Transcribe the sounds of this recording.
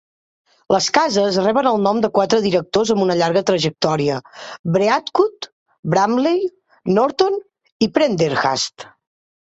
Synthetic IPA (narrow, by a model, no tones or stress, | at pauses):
ləskazəzrɛβənəlˠnɔmd̪əkwat̪ɾəðiɾək̚t̪ozəmbunəʎaɾɣət̪ɾəʒək̚t̪ɔɾiəbɾeat̪kut̪ | bɾamlej | nɔɾt̪on | ipɾɛnd̪eɾɣa̰st̪